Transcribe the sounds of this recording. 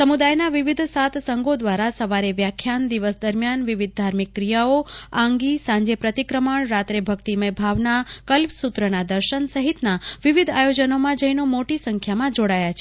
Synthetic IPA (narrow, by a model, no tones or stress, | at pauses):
səmud̪ajnaʋiʋid̪ʱsat̪səŋɡod̪ʋaɾasəʋaɾeʋjakʰːjand̪iʋəsd̪əɾmjanʋɪʋid̪̚ʱd̪ʱaɾmikːɾijaoãŋɡisãɲd͡ʒepɾət̪ikɾəməɳɾat̪ɾebʱəkt̪imẽbʱaʋnakəlpsut̪ɾənad̪əɾʃənsəɦit̪naʋiʋid̪ʱajod͡ʒənomãd͡ʒəinomoʈisəŋkʰjamãd͡ʒoɽajat͡ʃʰe